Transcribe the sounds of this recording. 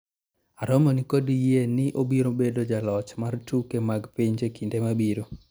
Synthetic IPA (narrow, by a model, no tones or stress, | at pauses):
aɾɔmonikodijenɪʔobiɾobedod͡ʒalɔt͡ʃmartukemaɡpiɲd͡ʒekindemabiɾo